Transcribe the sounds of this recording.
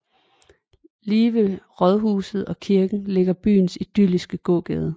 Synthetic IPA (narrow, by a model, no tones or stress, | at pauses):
liːʋəʁɒðˠɦuːsð̞̩ˠɒ̽kʰiɐɡ̥n̩le̝ɡ̥ɐb̥y̰ːnsid̥ylisɡ̥əɡ̥ɔ̰ːɡ̥ɛ̰ːð̞ˠə